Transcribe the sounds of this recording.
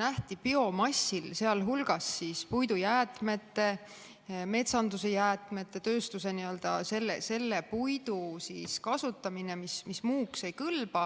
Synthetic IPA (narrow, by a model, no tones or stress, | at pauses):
næht̪ipio̞mɑsːilse̞ɑlɦulɡ̥ɑsːiːspujd̪ujæːt̪me̞t̪ːe̞ | me̞t̪sɑnd̪use̞jæːt̪ˑme̞t̪ːˑe̞t̪ø̞ːst̪use̞niø̞ld̪̥ɑ̰se̞lːḛse̞lːe̞pujd̪usiskɑsut̪ːˑɑmine̞mismismuːkse̞jkɤlb̥ɑ